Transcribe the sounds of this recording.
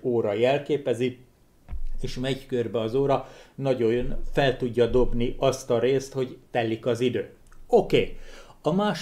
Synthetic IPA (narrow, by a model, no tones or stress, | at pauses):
oːɾɒjɛlkeːpɛzi | eːʃmɛɟkørbɛɒzoːɾɒnɒɟo̞nfɛlt̪uɟːɒd̪o̞bniʔɒst̪ɒɾeːst̪ho̞ɟt̪ɛlːikɒzid̪øː | okeːɒmaːʃ